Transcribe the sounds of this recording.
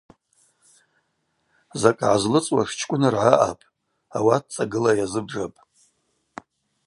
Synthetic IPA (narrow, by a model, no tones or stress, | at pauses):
zakʼʕazlɨt͡sʼwaʂt͡ʃʰkʷʼʊnarʕaʔa̰pʼ | awat̚ʰt͡sʼaɡɨlajazɨbʐapʼ